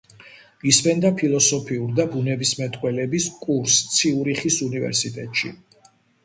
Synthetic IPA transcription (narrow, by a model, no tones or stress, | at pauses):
isbɛnd̪apʰilˠɔsɔpʰiuɾd̪abunɛbismɛt̪ʼqʼwɛlɛbiskʼuɾst̪sʰiuɾiχisunivɛ̰ɾsit̪ʼɛt̪ʼʃḭ